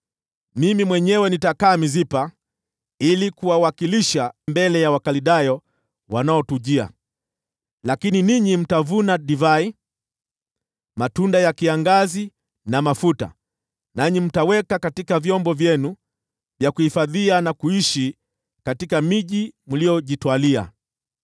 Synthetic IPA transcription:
mimimwɛɲɛwɛnitakaːmizipa | ilikuwawakiliʃambɛlɛjawakaliɗajɔ | wanaɔtuʄia̰ | lakininiɲim̩tavunaɗivai | matundajakiaŋɡazi | namafuta̰ | naɲim̩tawɛkakatikavjɔmbɔvjɛnu | vjakuhifaðianakuiʃi | katikamiʄimulijɔʄitwalia̰

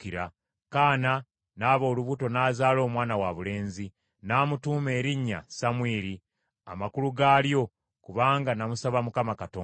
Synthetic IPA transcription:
iɾa | kaːna | naːβo̞ːluβuto̞naːzaːlo̞ːmwaːnawaβule̞ːnzi | naːmutuːme̞ːɾiɲːa̰samweːɾi | a̰makuluɡaːljo̞ | kuβaːŋɡanamusaβamukamakatoː

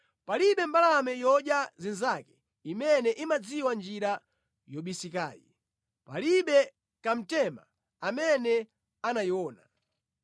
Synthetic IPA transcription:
paliɓɛmbalamɛjɔɗjazinzakɛ̥ | imɛnɛʔimad͡ziwand͡ʒiɾa | jɔɓisika̰ːjḭ | paliɓɛ | kam̩tɛma̰ | amɛnɛ | anajiwɔːna̰

